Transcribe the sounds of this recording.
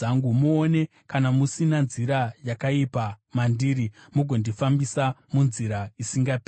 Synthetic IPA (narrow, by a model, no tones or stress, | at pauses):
aŋɡumuone̞ | kanamusinanziɾajakaipamandiːɾimuɡʱo̞ndifambisamunziɾaisiŋɡapː